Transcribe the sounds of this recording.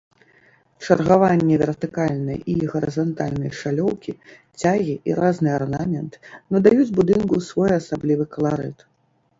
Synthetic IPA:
t͡ʂɐ̰rɣavanʲːɛvʲɛrt̪ɨkalʲnɨj̰ʔiɣɐɾɨzant̪a̰lʲnɐjʂalʲɔwkʲi | t͡sʲaɣʲiiɾaznɨjɛarnamʲɛnt̪nɐd̪ajud͡zʲbud̪ɨnkusvɔjasablʲivɨkɐlˠaɾɨt̪

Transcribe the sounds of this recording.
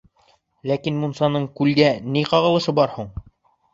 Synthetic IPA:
lækinmunsɑnɤɴkʉlɡæniqɑʁɤ̆lˠɤ̆ʃɤbɑɾhuɴ

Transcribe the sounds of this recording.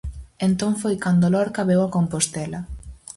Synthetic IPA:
ent̪oŋfojkand̪olɔɾkaβewakompost̪ɛlɐ

